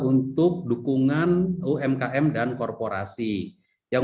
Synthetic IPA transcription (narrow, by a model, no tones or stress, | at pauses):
unt̪ʊk̚dukuŋanuʔɛmkaʔɛmdankɔrpoɾa̰si | jaŋ